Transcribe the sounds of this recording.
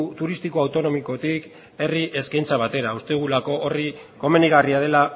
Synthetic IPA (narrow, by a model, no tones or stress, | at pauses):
t̪uɾist̪iko̞awt̪o̞no̞miko̞t̪ik | e̞riʔe̞skajnt͡saβ̞at̪e̞ɾaust̪eɣ̞ulako̞ʔori | ko̞me̞niɣ̞ariað̞e̞la